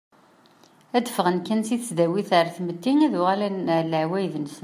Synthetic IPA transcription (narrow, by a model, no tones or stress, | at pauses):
æd̪əfʁənkænsiθəsd̪æwiθəɾˤθməd̪ːiŋæðʊʁalænləʕwæjðənsə